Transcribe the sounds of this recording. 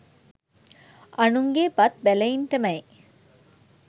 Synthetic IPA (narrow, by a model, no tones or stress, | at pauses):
ɐnuŋɡeːpɐt̪̚bælɐinʈɐmɐe